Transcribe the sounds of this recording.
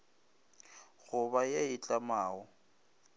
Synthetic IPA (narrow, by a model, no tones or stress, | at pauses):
ɣʊβajeɪt͡ɬʼamaːɔ